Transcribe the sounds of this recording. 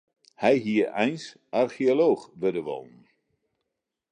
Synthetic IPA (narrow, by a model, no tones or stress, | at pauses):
hɛjɦiəɛjns | ʔarxioloːxʋədəʋo̰ːnn̩